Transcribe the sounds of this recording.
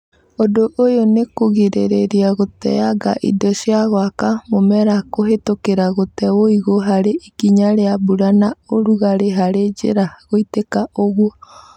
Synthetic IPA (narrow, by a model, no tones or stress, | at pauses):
odoʔojonekoɣiɾeɾeɾiaɣotɛ̰jaɡa̰ʔḭdɔʃjaɣwakamomɛɾakoɦetokeɾaɣotɛwoiɣoɦaɾeʔikiɲaɾeabuɾanaoɾuɣaɾeɦaɾed͡ʒḛɾaɣoitekaoɣwɔ